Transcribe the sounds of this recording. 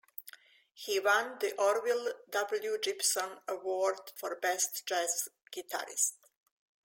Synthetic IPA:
hiwãnd̪iʔɔɾwild̪abl̩ˠjud͡ʒɪpsə̃nəwɔːɾd̪fɔɾbɛst̪d͡ʒɛsɡ̥it̪ʰa̰ɾɪ̰st̪

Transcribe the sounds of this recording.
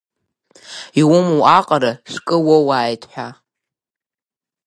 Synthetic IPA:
iwʊmuʔaqʼaɾaʂʷkʼɨwowaːjtʰʼħʷᶣa

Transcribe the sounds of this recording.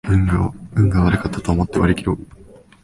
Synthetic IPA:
ɯŋɡɯ̟̃ŋɡaβaɾɯ̟kat̪ːat̪oːmo̞t̪ːeβaɾekʲiɾo

